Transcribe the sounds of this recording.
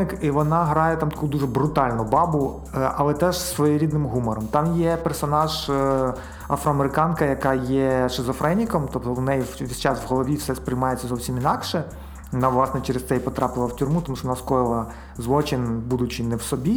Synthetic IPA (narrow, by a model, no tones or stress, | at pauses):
ɪkiʋɔnɑɦɾɑjɛt̪ɑmt̪ɐ̥kud̪uʐɛbɾʊt̪ɑlʲnʊbɑbʊ | ɐlˠɛt̪ɛʒsʋɔjiɾʲid̪nɪmɦumɔɾɔmt̪ɑmjɛpersɔnɑʒ | ɐfɾɔɐmeɾɪkɑnkɐjɐkɑjɛʃezɔfɾɛnʲikɔmt̪ɔp̚t̪ɔwnɛjʋʲisʲt͡ʃɑsʋɦɔlˠɔʋʲiwsɛspɾɪjmɑjet͡sʲːɐzɔwsʲiminɑkʃɛ | ɔnɑʋlˠɑsnɛt͡ʃɛɾest̪ɛjpɔt̪ɾɑpɪlˠɐwtʲʊrmut̪ɔmuʃʂɔʋɔnɑskɔjɪlˠɐ | zʋˠɔt͡ʃɪnʲbud̪ʊt͡ʃɪnɛwsɔbʲi